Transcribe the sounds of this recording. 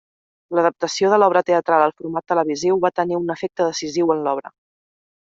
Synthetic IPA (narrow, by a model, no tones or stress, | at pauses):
ləðəp̚t̪əsioðəlɔβɾət̪eət̪ɾalˠəlˠfuɾmat̪ːələβiziwβat̪əniunəfek̚t̪əðəsiziwənlɔβ̞ɾə